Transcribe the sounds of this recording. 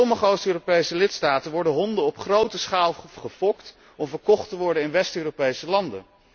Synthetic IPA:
ɔməχəowstøːropejsəlɪtstaːtənʋɔɹdəɦɔndəɔpχrowtəsχaːlˠχəvɔkt | ɔmvəɹkɔχtəʋɔɹdənɪnʋɛstøːropejsəlɑndə̰

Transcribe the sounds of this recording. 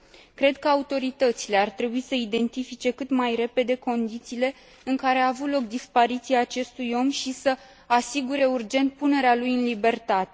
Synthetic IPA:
kɾe̞d̪̚kəaut̪o̞ɾit̪ət̪sile̞art̪ɾe̞buisəid̪e̞nt̪ifit͡ʃe̞kɨt̪majre̞pe̞d̪e̞ko̞nd̪it̪siːle̞ | ɨŋkaɾe̞aːvut̪lo̞kd̪ispaɾit̪siaːt͡ʃe̞st̪ujo̞mʃisə | asiɡuɾe̞urd͡ʒe̞nt̪̚pune̞ɾealujɨnlibe̞rt̪at̪e̞

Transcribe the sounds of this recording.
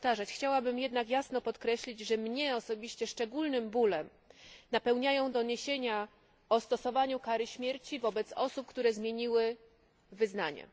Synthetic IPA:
ft̪aʐat͡ɕxt͡ɕawabɘmjɛd̪nakjasnɔpɔt̪kɾɛɕlʲid͡ʑʐɛmɲɛɔsɔbʲiɕt͡ɕɛʂt͡ʂɛɡulnɘmbulɛm | napɛwɲajɔ̃w̃d̪ɔɲeɕeɲa | ɔst̪ɔsɔvaɲukaɾɘɕmʲjeɾt͡ɕivɔbɛt̪sɔsup̚kt̪uɾɛzmʲjeɲiwɘ | vɘzna̰ɲɛ̰

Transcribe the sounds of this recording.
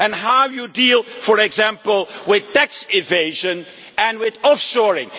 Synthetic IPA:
ɨ̃nɦawjudilˠfɔɹɛɡzæ̃mpəlˠwɪð̥tæksɪveɪʒə̃n | ɨ̃nwɪðɔfsɔɹɪ̰̃ŋ

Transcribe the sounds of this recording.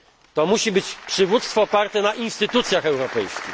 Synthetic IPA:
t̪ɔmuɕibɘt͡ɕpʂɘvut̪st̪fɔːpaɾt̪ɛnaʔinst̪ɘt̪ut̪sʲjaxɛwɾɔpɛjskʲḭ

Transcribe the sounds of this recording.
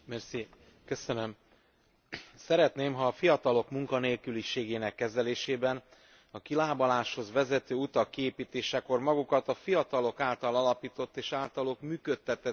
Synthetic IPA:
mɛrsi | køsønøm | sɛɾɛt̪neːmɦɒːfijɒt̪ɒlo̞kmuŋkɒneːlkyliʃeːɡeːnɛkːɛzɛleːʃeːbɛn | ɒkilaːbɒlaːʃho̞zʋɛzɛt̪øːut̪ɒkːieːpiːt̪eːʃɛko̞rmɒɡukɒt̪ɒfijɒt̪ɒlo̞kaːlt̪ɒlɒlɒpiːt̪o̞t̪ːeːʃaːlt̪ɒlokmyːkøt̪ːɛt̪ɛ

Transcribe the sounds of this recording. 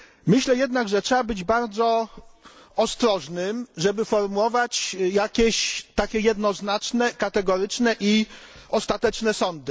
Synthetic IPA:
mɘɕlɛjɛd̪naɡʐɛtʂɛbabɘd͡ʑbaɾd̪zɔ | ɔst̪ɾɔʐnɘmʐɛbɘfɔɾmuwɔvat͡ɕjakʲeɕt̪akʲɛjɛd̪nɔznat͡ʂnɛkat̪ɛɡɔɾɘt͡ʂnɛʔiɔst̪at̪ɛt͡ʂnɛsɔnd̪ɘ

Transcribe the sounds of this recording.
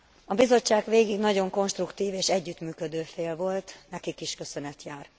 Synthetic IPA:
ɒbizo̞t͡ʃːaːɡʋeːɡiɡnɒɟo̞ŋko̞nʃt̪rukt̪iːveːʃɛɟːyt̪myːkø̞d̪øːfeːlvo̞lt̪nɛkikiʃkø̞sø̞nɛt̪jaːr

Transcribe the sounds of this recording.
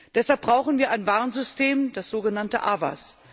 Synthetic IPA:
d̥ɛshalp̚b̥ʁaʊxn̩viːɐʔaɪnvaɐnzʏstʰeːmd̥asz̥oːɡənantəʔava̰s

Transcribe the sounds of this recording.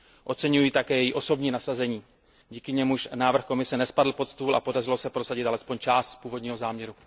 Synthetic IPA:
ʔo̞t̪t͡sɛɲujiːt̪akɛːjɛjiʔo̞so̞bɲiːnasazɛɲiː | ɟiːkɪɲɛmuʃnaːvr̩xko̞mɪsɛnɛspadl̩po̞t̪st̪uːla̰po̞darɪlo̞sɛpɾo̞saɟɪt̪ʔalɛspo̞ɲt͡ʃaːst̪spuːvo̞dɲiːɦo̞zaːmɲɛɾu

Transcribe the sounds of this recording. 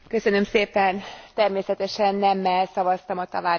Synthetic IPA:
kø̞sø̞nø̞mseːpɛnt̪ɛrmeːsɛt̪ɛʃɛnːɛmːɛlsɒvɒst̪ɒmɒt̪ɒvaː

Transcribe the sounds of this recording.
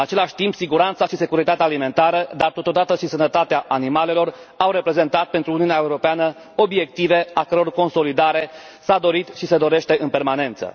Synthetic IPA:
at͡ʃe̞laʃʲt̪impsiɡuɾant̪saʃise̞kuɾit̪at̪eaːlime̞nt̪aɾəd̪art̪o̞t̪o̞d̪at̪əʃisənət̪at̪eaʔanimale̞lo̞r | awɾe̞pɾe̞ze̞nt̪at̪̚pe̞nt̪ɾuːniuneaeuɾo̞peanə | o̞bie̞kt̪ive̞akəɾo̞rko̞nso̞lid̪aɾe̞ | sad̪o̞ɾit̪ʃise̞d̪o̞ɾe̞ʃt̪e̞ʔɨnpe̞rmane̞nt̪sə̰

